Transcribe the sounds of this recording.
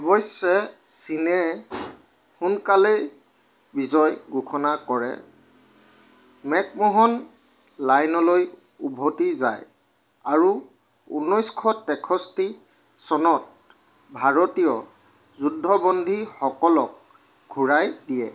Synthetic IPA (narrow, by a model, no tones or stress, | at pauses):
ɔbɔjsɛsinɛ | xunkale | bizɔjɡukʰɔnakɔɹɛ̰ | mɛk̚mɔɦɔn | lajnɔloj | ubʱɔtiza̰j | aɹu | ṵnɔjskʰɔtɛkʰɔsti | sɔnɔt̚ | bʱaɹɔtijɔ | zudʱːɔbɔndʱixɔkɔlɔk̚ | ɡʱuɹajdijɛ̰